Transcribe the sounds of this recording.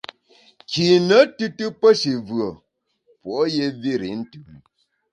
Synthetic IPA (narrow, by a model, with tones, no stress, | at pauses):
kʰi˨nə˨˦tɨ˦tɨ˦pə˦ʃi˨vɰə˨ | pɔ˨˦je˦vi˦ɾi˨˦n̩˦tʉ˨˦m